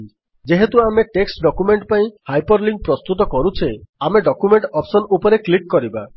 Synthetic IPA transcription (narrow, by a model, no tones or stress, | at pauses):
d͡ʒeɦet̪uameʈeksʈɖɔkumeɳʈpaĩhajpɔɾliŋɡ̚pɾɔst̪ut̪ɔkɔɾut͡ʃʰeameɖɔkumeɳʈɔpsɔnupɔɾeklik̚kɔɾiba